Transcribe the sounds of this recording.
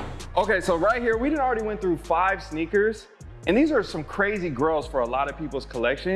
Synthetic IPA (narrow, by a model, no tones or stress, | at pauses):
oʊkeɪsoʊɹaɪt̚hiɹwidɾɪdn̩tl̩ˠɹɛɾiwɛ̃nθɹʉfaɪv̥snikə˞z | ɨ̃nðizə˞sʌ̃mkʰɹ̥eɪziɡɜ˞lˠz̥fə˞əlɑɾʌv̥pʰipl̩ˠz̥kʰəlɛkʃɨ̃